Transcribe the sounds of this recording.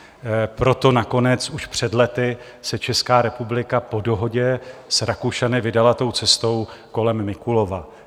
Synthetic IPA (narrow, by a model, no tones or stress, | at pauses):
pɾo̞t̪o̞nako̞nɛt͡suʃpr̝̥ɛdlɛt̪ɪ | sɛt͡ʃɛskaːɾɛpublɪkapo̞do̞ɦo̞ɟɛsɾakuʃanɪvɪdalat̪o̞wt͡sɛst̪o̞wko̞lɛmːɪkulo̞va